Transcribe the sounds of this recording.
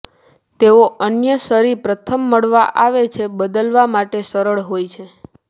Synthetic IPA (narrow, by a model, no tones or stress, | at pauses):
t̪eoʔənjəsəɾipɾət̪ʰəmːəɭʋaʔaʋet͡ʃʰebəd̪əlʋamaʈesəɾəɭɦojt͡ʃʰe